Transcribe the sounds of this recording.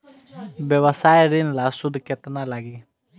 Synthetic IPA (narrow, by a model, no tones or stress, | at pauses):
bjəwasajɾinlasʊd̪ʱket̪nalaɡi